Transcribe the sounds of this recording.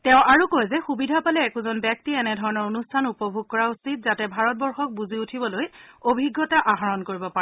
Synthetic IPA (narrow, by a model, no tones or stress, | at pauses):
tɛ̃ʊ̃ʔaɹukojzɛxubidʱapalɛːkuzɔnbjak̚tiɛnɛdʱɔɹɔnɔɹonustʰanupɔbʱuɡ̚kɔɹausit̚zatɛbʱaɹɔt̚bɔɹxɔk̚buziutʰibɔlojobʱiɡːɔtaʔaɦaɹɔnkoɹibɔpaɛ